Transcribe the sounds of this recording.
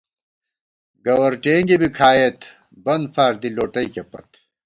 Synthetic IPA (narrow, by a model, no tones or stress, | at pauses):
ɡɐwɐɾʈeːŋɡibikʰaːjet̪ | bɐnd̪faːɾd̪iloːʈɐjkepɐ̰t̪